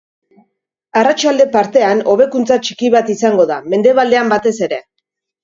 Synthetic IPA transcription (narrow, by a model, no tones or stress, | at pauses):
arat͡ʃald̪e̞paɾt̪e̞ano̞β̞e̞kunt͡sat͡ʃikiβat̪isaŋɡo̞ðame̞nd̪e̞βald̪e̞ambat̪e̞se̞ɾe̞